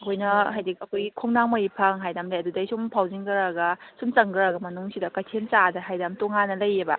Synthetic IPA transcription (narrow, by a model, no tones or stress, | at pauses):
ɐkʰojnɐɦajdikɐkʰojɡikʰoŋnaŋmajipʰɐŋɦajdamlajɐdudajsumpʰawziŋɡɯɾaɡɐsumt͡ʃɐŋɡɯɾaɡɐmɐnuŋsidɐkatʰent͡ʃadɐɦajdamtoŋanɐlɐjːebɐ̰